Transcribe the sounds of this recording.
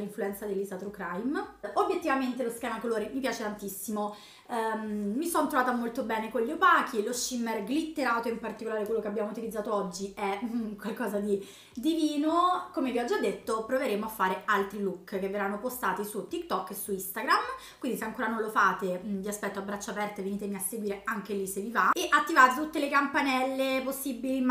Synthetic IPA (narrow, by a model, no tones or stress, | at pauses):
lːiɱfluɛnt̪sad̪elːizat̪ɾukɾajmobjet̪ːivament̪eloskɛːmakoloːɾimipjaːt͡ʃet̪ant̪isːimo | isɔnt̪ɾovaːt̪amolt̪obɛːnekoʎːopaːk̟ʰilosːimːɛrɡlit̪ːeɾaːt̪oimpart̪ikolaːɾekwelːokeabːjaːmout̪ilid̪zaːt̪oɔd͡ʒːiɛkwalkɔːzad̪i | d̪iviːnokomeviɔd͡ʒːad̪ːet̪ːopɾoveɾeːmoafːaːɾealt̪ɾilukːkeveranːopost̪aːt̪isut̪ːikt̪ɔkːesuist̪aɡɾamkkwind̪iseaŋkoːɾanõnlofaːt̪eviaspɛt̪ːoabːɾat͡ʃːapɛrt̪aveniːt̪emiasːeɡwiːɾeaŋk̟elisevivaeʔat̪ːivaːt̪it̪ut̪ːelekampanɛlːeposːibilim